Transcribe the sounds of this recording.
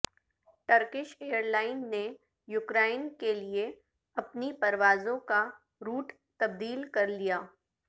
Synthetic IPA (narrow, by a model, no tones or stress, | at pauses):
ʈɐɾkɪʃeːjəɾlaːɪnːe | jʊkɾaːɪnkelie | ɐpnipɐɾʋaːzõka | ɾuːʈ | t̪ɐb̚d̪iːlkɐɾlijaː